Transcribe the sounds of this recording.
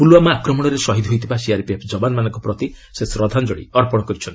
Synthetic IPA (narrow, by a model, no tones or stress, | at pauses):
puluwamaːkɾɔmɔɽ̃ɔɾesɔɦid̪ʱɦojt̪ʰibasiaɾpiepʰd͡ʒɔbanmanɔŋkɔpɾɔt̪i | sesɾɔd̪ʱand͡ʒoɽḭɔɾpɔɽɔkɔɾit͡ʃʰɔni̥